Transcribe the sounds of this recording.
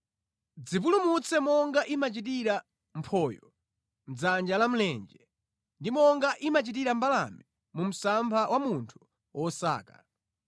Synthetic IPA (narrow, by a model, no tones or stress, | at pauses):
d͡zip̬ulumut͡sʰɛmɔŋɡaʔimat͡ʃit̬iɾa | m̩pʰɔːjɔ | m̩d͡zand͡ʒalam̩lɛnd͡ʒɛ | ndimɔŋɡaʔimat͡ʃit̬iɾambala̰mi | mum̩sampʰawʔamuntʰu̥ | wɔsa̰ːka